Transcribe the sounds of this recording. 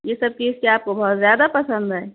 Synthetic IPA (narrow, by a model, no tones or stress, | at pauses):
jeːsɐb̚t͡ʃiːzkeaːp̚kobɐɦʊt̪zjaːd̪apɐsə̃nd̪ɦɛː